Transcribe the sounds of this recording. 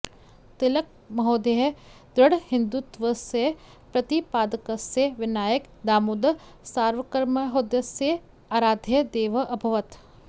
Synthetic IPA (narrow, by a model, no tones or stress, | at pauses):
t̪ɪlək̚ | mɐɦoːd̪eɦ | d̪ɾəɽhɪ̃nd̪ut̪ʋəse | pɾɐt̪ipaːd̪ɐkəseʋɪnaːjək | d̪aːmud̪saːɾʋəkəɾməɦod̪jəse | aːɾaːd̪ʱəd̪eːʋəʔɐbʱɐʋət̪